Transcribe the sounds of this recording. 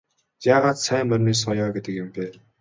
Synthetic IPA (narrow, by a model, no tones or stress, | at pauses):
jaːʁaːt̪sæːmɵrʲniːs̬ɔjɔːɡet̪ə̆kjɪ̆mpeː